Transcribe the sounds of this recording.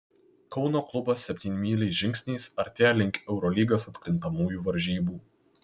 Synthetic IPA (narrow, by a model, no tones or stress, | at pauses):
kɒʊnoːklˠʊbɐsːʲɛpʲt̪ʲiːnʲmʲiːlʲɛɪʒʲɪŋʲksʲnʲɛɪsɐɾʲt̪ʲæːlʲɪŋʲkʲɛʊɾɔlʲiːɡɐsɐt̪ʲkɾʲɪnt̪ɐmuːjuːʋɐɾʲʒʲiːbuː